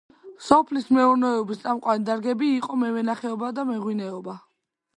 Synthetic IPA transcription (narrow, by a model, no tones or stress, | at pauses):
sɔpʰlismɛuɾnɛɛɔbist̪sʼamqʼwanid̪aɾɡɛbiːqʼɔmɛvɛnaχɛɔbad̪amɛʁwinɛɔba